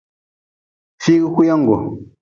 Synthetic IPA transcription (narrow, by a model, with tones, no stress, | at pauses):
fi˦ɣi˦ku˦ja˦ŋ̩˨ɡo˨